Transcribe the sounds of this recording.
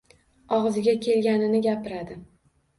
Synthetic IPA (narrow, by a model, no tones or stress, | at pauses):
ɒʁzɪɡʲakʲʰe̞lɡʲanɪnɪɡʲapɪɾad̪ɪ